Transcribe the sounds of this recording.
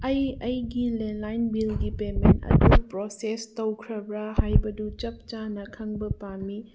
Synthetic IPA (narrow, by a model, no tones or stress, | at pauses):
ɐjɐjɡilenlajnbilɡipementɐ̰dupɾosestowkʰɾɐbɾɐhajbɐdut͡ʃɐp̚t͡ʃanɐkʰɐŋbɐpami